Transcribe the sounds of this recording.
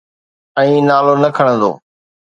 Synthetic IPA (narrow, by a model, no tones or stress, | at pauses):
ə̃ĩːnaːloːnəkʰəɽ̃ə̃nd̪o̰ː